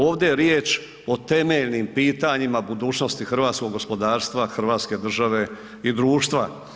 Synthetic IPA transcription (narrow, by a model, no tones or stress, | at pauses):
oːʋd̪eɾjeːt͡ʃ | o̞t̪e̞me̞ʎnimpiːt̪aɲimabud̪uːt͡ʃno̞st̪ixr̩ʋaːt̪sko̞ɡo̞spo̞d̪aːɾst̪ʋaxr̩ʋaːt̪ske̞d̪r̩ʒaʋe̞ | id̪ɾuːʃt̪ʋa